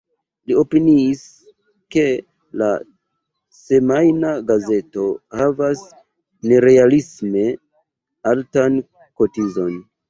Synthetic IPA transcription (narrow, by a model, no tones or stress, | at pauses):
lio̞piniːs | ke̞ | la̰ | se̞majnaɡaze̞to̞havas | ne̞ɾe̞alisme̞ | altan | ko̞tizo̞n